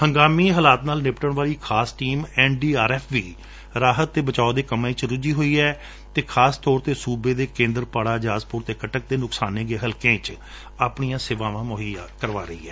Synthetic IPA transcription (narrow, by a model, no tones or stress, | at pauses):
həŋɡaːmiːɦəlaːt̪naːlnɪpʈəɳʋaːliːkʰaːsʈiːmɛːnɖiːaːɾɛːpʰʋiː | ɾaːɦət̪ːeːbət͡ʃaːoːd̪eːkəmẽːt͡ʃɾʊd͡ʒiːɦoːiːɛː | t̪eːkʰaːst̪ɔːɾt̪eːsuːbeːd̪eːkẽːnd̪əɾpaːɽaːd͡ʒaːzpʊɾt̪eːkəʈək̚d̪eːnʊksaːneːɡeːɦəlkẽːt͡ʃ | aːpɳijãːsɪʋãːʋãːmoːɦiːakəɾʋa̰ːɾəḭːɛː